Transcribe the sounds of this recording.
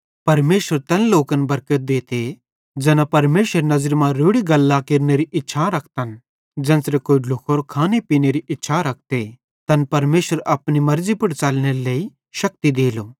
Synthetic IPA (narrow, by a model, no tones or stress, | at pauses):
pɐɾmeːʃəɾt̪ɐnloːkənbɐɾkət̪̚d̪eːt̪e | d͡ʒɛːnapɐɾmeːʃəɾnɐzəɾmãɾoːɽiɡɐlːakɪɾneɾiʔɪtːʃʰaɾɐkʰt̪ən | d͡ʒɛ̃ːnsɾekoːiɖʱʊkʰoɾokʰaːnepiːneɾiʔɪtːʃʰaɾɐk̚ʰt̪e | t̪ɐnpɐɾmeːʃəɾɐpnimɐɾd͡zipʊʈt͡salneɾeleːi | ʃɐk̚t̪id̪eːloː